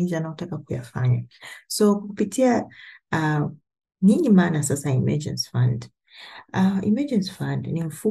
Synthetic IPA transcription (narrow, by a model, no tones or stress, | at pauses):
izanaɔtakakuja̰faɲasɔkkupitʰiaa | ɲiɲimaːnasasaimɛ̰d͡ʒɛ̰̃nsfãnd | aḭmɛd͡ʒɛnsfãndnim̩fu